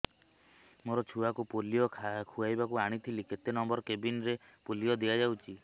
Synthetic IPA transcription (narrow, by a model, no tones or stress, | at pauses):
moɾɔt͡ʃʰuakupolijɔkʰkʰuajbakuaɽ̃it̪ʰiliket̪enɔmbɔɾɔkebinɾepolijɔd̪iad͡ʒawt͡ʃʰi